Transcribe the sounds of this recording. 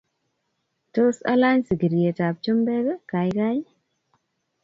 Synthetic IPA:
to˦sa̰˦la˦ɲsɡi˨ɾje˨ta˨p̚t͡ʃo˦mbɛ˦ɡe˦ka˨jka˦j

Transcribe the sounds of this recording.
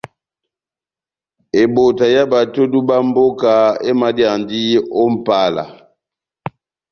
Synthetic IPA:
e˨bo˨ta˨ja˦ba˨to˦du˦ba˦mbo˦ka˨e˦ma˦dja˨ndi˦o˦m̩˨pa˦la̰˨

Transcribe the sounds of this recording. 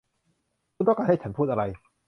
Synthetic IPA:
t̪ɔ˥˩ka˧nha˥˩jt͡ɕʰa˦npʰuː˥˩t̪̚a˧ɾa˧j

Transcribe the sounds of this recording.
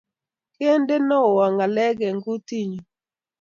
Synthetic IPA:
ke˦nde˦nɔ˦˨wa˨ŋa˨lɛ˦ɡɛ˨ŋɡu˦ti˦ɲu˨

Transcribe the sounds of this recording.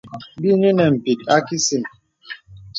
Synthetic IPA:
bi˦ni˦nɛ˨m̩˨pi˨t̚a˦ki˦si˨m

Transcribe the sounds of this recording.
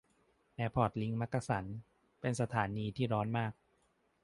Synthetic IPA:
ʔɛː˧pʰɔː˨˩t̪̚li˦ŋma˦˥kːa˧sa˩˦n | pe˧nsa˧t̪ʰaː˩˦niː˧t̪ʰiː˥˩ɾɔː˦˥nmaː˥˩k̚

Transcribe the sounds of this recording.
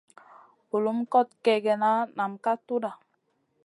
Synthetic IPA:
u˨lu˨˦mkɔ˦˨t̚kɛ˨ɡɛ˨na˦na˨mka˦tu˦da˨

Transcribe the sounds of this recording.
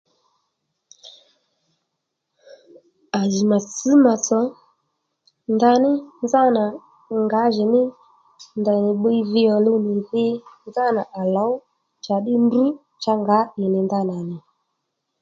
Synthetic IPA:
a˨zi˨ma˨t͡sɨ˨˦ma˨t͡sɔ˨ | nda˧nɪ˦nza˦na˨ | ŋɡa˨˦ʒɪ˨nɪ˦ | nda˨nɪ˨ɓə˦i˦vɪ˦ɔ˨lʊ˧nɪ˨vɪ˦nza˦na˨ʔa˨lɔ˨˦w | t͡ʃa˨ɗɪ˦ndu˦ | t͡ʃa˧ŋɡa˨˦ɪ˨nɪ˨nda˦na˨nɪ˨

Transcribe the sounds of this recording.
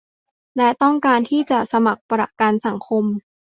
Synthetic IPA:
lɛ˦˥t̪ɔ˥˩ŋkaː˧nt̪ʰiː˥˩t͡ɕa˨˩ʔsa˧ma˨˩k̚pɾa˨˩kaː˧nsa˩˦ŋkʰo˧m

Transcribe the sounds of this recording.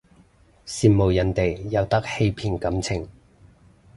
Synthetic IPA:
siː˨˧nmo˨˩wjɐ˨˥nt̪e˨jjɐ˨˧wt̪ɐ˥k̚he˧jpʰiː˧nkɐ˨˥mt͡sʰɪ˨˩ŋ

